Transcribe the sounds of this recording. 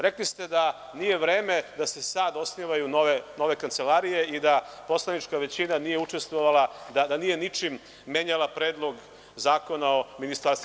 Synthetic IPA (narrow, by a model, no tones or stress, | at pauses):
ɾe̞klist̪e̞d̪a | nije̞ʋɾe̞ːme̞d̪ase̞sad̪o̞sniʋajunoʋeno̞ʋe̞kant̪se̞laɾije̞id̪apo̞slˠanit͡ʃkaʋe̞t͡ɕinanije̞ut͡ʂe̞st̪ʋo̞ʋalad̪ad̪anije̞nit͡ʂimː | e̞ɲalˠapɾeːd̪lˠo̞ɡ | zaːko̞nao̞minist̪aɾst̪